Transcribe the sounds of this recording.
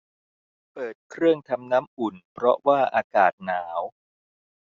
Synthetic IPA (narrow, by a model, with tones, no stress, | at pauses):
pɤː˨˩t̪̚kʰɾɯ˥˩əŋt̪ʰa˧mnaː˦˥mʔu˨˩npʰɾɔ˦˥waː˥˩ʔaː˧kaː˨˩t̪̚naː˩˦w